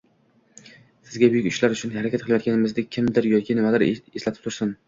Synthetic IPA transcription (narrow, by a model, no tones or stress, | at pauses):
sɪzɡʲabʊjɪkʲʊʃlaɾʊt͡ʃʰʊnhaɾakʲat̪̚qʰɨlˠɪjɔt̪kʲanɪmɪzd̪ɪkʲʰɪmd̪ɪɾjɒkʲʰɪnɪmad̪ɪɾeslat̪ʰɪ̥pt̪ʰʊɾsʊn